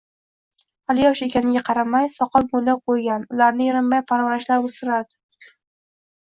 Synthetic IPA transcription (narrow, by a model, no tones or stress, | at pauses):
alɪjɒʃe̞kʲanɪɡʲaqʰɑɾamajsɒqɨlˠbojd̪aqʰojɡʲanʊlaɾnɪjɪɾɪmːajpʰaɾvaɾaʃlaɾost̪ɪɾaɾd̪ɪ̥